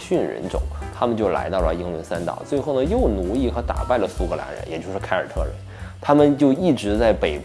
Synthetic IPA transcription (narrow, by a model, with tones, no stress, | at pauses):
ɕy˥˩nɻə̰˧˥nʈ͡ʂʊ̰˨˩˦ŋt̪ʰa˥mə˨nt͡ɕjo˥˩ʊla̰˧˥ɪt̪ɑ˥˩lə̰˩i˥ŋlwə˧˥nsa˥nt̪ɑ̰˨˩ʊt͡swe˥˧ɪxo˥˩ʊnə˩jo˥˩ʊnu˧˥li˥˩xɤ˧˥t̪a̰˨˩pa˥˩ɪlə˩su˥kʰɤ˧la̰˧˥nɻə̰˧˥njɛ˨˩t͡ɕjo˥˧ʊʂɻ̩˥˩kʰa˥ɪə˞˨˩t̪ʰɤ˥˩ɻə̰˧˥n | t̪ʰa˥mə˨nt͡ɕjo˥˧ʊi˥˩ʈ͡ʂɻ̩˧˥t͡sa˥˩ɪpe˨˩ɪ